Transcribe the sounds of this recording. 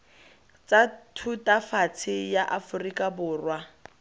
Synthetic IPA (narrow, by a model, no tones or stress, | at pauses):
t͡satʰutʼafat͡sʰɪjaʔafʊrikʼabʊːrwa